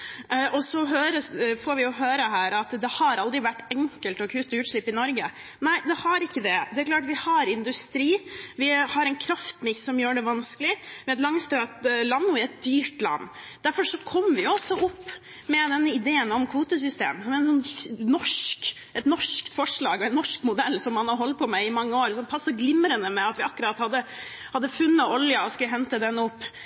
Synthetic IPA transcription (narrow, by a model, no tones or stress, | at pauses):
ʔɔsɔɦøːɾəfoːɾʋɪjʊɦøːɾəɦæːɾɑt̪d̪ɛhɑɾɑld̪ɾɪʋæʈːɛŋkəlt̪ɔkʰʉːt̪ːɔʉːt̪ʂɭɪpːɪnɔɾɡənæɪd̪ɛhɑɾɪkːəd̪ɛd̪ɛæɾkʰlɑːʈʋɪhɑɾɪnd̪ʉst̪ɾiːʋɪhɑɾɛnkʰɾɑft̪mɪksːɔmjøːɖɛʋɑnskəlɪmɛɛt̪lɑŋst̪ɾɑt̪lɑnːʊɪɛt̪̚d̪yːʈlɑ̰nː | d̪æɾfɔʂɔkʰɔmːʋɪɔsɔʔʊpː | mɛd̪ɛnːəɪd̪eːənɔmkʰʋuːt̪əsʏst̪ḛːmsɔmæɾɛnsɔnːɔʂk | ɛt̪nɔʂkt̪fɔʂɭɑ̰ːɡɔɛnːɔʂkmʊd̪ɛlːsɔmːɑnɑɾɦɔlt̪̚pʰɔmæɪmɑŋːəoːɾsɔnpʰɑsːəɡlɪmɾənəmɛɑt̪ʋɪɑkːəɾɑt̪hɑd̪ːə | hɑd̪ːəfʉnːəʔɔljəɔskʉləɦɛnt̪əd̪ɛnʊpː